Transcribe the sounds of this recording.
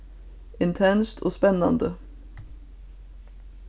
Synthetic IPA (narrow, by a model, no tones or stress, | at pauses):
ɪnt̪ʰɛnst̪ʰo̰ːspɛnɑnd̪ə